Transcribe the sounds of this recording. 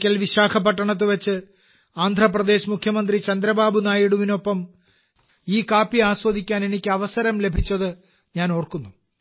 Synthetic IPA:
kʲːɐlʋiɕaːkʰɐpːɐʈːɐɳɐt̪̬ːɨʋɐt͡ɕːɨ | aːnd̪ʱrɐprɐd̪e̞ːɕmukʰjɐmɐnd̪rit͡ɕɐnd̪ɾɐbaːbunaːjiɽuʋino̞pːɐm | iːkaːpːiaːsʋɐd̪ʱikʲːaːne̞nikʲːɨɐʋɐsɐɾɐmle̞bʱit͡ɕːɐðɨ | ɲaːno̞ːrkunːu

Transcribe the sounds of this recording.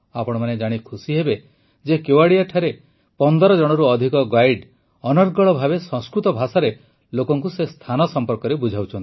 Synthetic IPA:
apɔɽ̃ɔmaned͡ʒaɽ̃ikʰusiɦebe | d͡ʒekewaɽijaʈʰaɾe | pɔnd̪ɔɾɔd͡ʒɔɽ̃ɔɾuɔd̪ʱikɔɡajɖ | ɔnɔɾɡɔɭɔbʱabesɔ̃ŋskɾut̪ɔbʱasaɾe | lokɔŋkusest̪ʰanɔsɔmpɔɾkɔɾebud͡ʒʱawt͡ʃʰɔnt̪i

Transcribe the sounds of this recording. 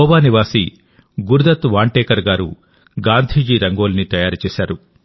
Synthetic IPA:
ɔːʋaːniʋaːsi | ɡuɾd̪ɐt̪ʋaːɳʈeːkɐɾɡaːɾṵ | ɡaːnd̪ʱiːd͡ʒiːɾɐŋɡoːlnit̪ɐjaːɾut͡ʃɛːsaːɾu

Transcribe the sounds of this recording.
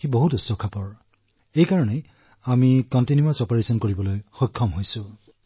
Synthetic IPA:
iboɦutusːɔkʰapɔɹ | ejkaɹɔnɛ | amikɔntinjuasɔpɔɹesɔnkoɹibɔlojxɔjkʰːɔmɦojsʊ̃

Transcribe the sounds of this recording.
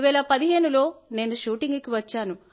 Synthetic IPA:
ʋɛːlɐpɐd̪iɦe̞ːnulo̞ːne̞ːnuʃuːʈiŋɡukiʋɐt͡ʃːaːnu

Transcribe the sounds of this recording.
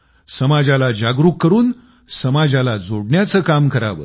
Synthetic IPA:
səmad͡ʑalad͡ʑaɡɾukːəɾuːn | səmad͡ʑalad͡zoɽɳjat͡səːkamkəɾa̰ʋə̰

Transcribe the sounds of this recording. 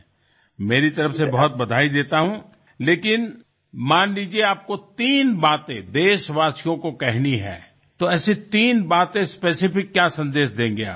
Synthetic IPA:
meːɾit̪ɐɾəfsebɐɦʊt̪̚bɐd̪ʱaːid̪eːt̪aɦũ | leːkɪn | maːnlid͡ʒieaːp̚kot̪iːnbaːt̪ẽd̪eːʃʋaːsijõkokɛɦniɦɛ̰̃ː | t̪oɛːset̪iːnbaːt̪ẽspeːsɪfɪkːjaːsɐ̃nd̪eːʃd̪ẽːɡɐja̰ː

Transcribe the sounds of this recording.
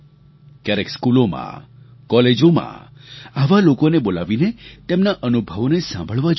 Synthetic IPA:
kjaɾekskulomã̰kɔled͡ʒomã̰aʋalokonebolaʋinet̪emnaʔənubʱəʋnesã̰mbʱəɭʋad͡ʒ

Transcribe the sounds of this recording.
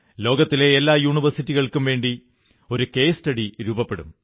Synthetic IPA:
lo̞ːɡɐt̪ːile̞ːlːaːjuːɳiʋɐrsitːiɣɐɭkumʋe̞ːɳɖi | o̞ɾuke̞jsʈɐɽiɾuːbɐpːe̞ɽṵm

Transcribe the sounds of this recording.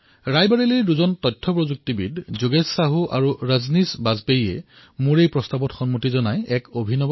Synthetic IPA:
ɹajbaɹelijduzɔntɔjtʰːɔpɹozuk̚tibḭdzuɡesːaɦuʔaɹuɹaznisbazbejɛ̰ | muɹejpɹɔstabɔtxɔnmotizɔnajɛkobʱinɔb

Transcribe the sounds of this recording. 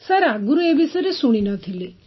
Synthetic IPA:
sɐɾaɡuɾuebisəɾesuɽ̃inat̪ʰili

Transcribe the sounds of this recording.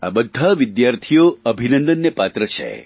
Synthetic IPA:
a̰bəd̪ʱːaʋɪd̪jaɾt̪ʰijoəbʱinənd̪ənːepat̪ɾət͡ʃʰḛ

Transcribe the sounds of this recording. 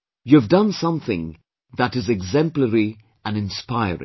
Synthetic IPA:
jɨvdʌ̃nsʌ̃mθɪ̰̃ŋ | ðəɾɨzɨɡzɛ̃mpləɹi | ɨ̃nɨ̃nspaɪəɹɪ̰̃ŋ

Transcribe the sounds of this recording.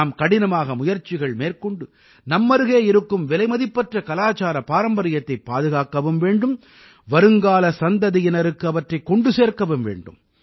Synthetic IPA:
mkɐɽɪnɐmaːɣɐmʊjɐɾt͡ʃːɪɣɐɭmeːɾkɔɳɖɯ | nɐmːɐɾɯɣeːɪɾɯkːɯmʋɛlɐɪmɐðɪpːɐʈrɐkɐlaːt͡ʃaːɾɐpaːɾɐmbɐɾɪjɐt̪ːɐɪpːaːðɯɣaːkːɐʋɯmʋeːɳɖɯm | ʋɐɾɯŋɡaːlɐsɐnd̪ɐðijɪnɐɾɯkːɯɐʋɐʈrɐɪkɔɳɖɯseːɾkɐʋɯmʋḛːɳɖɯ̰m

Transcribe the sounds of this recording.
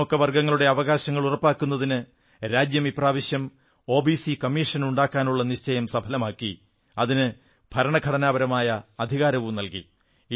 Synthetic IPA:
okːɐʋɐrɡɐŋːɐɭuɽe̞ɐʋɐɣaːɕɐŋːɐɭurɐpːaːkːunːɐðinɨ | ɾaːd͡ʑjɐmipraːʋiɕjɐm | o̞ːbisikɐmːiːʂɐnuɳɖaːkːaːnuɭːɐniɕt͡ɕɐjɐmsɐbʱɐlɐmaːkːi | ɐðinɨ | bʱɐɾɐɳɐɡʱɐɽɐnaːbɐɾɐmaːjɐːd̪ʱiɣaːɾɐʋumnɐlkḭ

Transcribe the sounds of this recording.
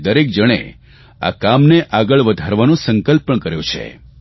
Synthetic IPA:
d̪əɾek̚d͡ʒəɽ̃ḛ | a̰kamneʔaɡəɭʋəd̪ʱaɾʋanũsəŋkəlpəɳkəɾjõ̰t͡ʃʰḛ

